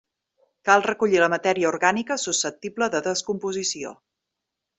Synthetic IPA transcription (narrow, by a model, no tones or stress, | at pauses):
kalˠrəkuʎiləmət̪ɛɾiəuɾɣanikəsusəp̚t̪ibləðəðəskumpuzisio̰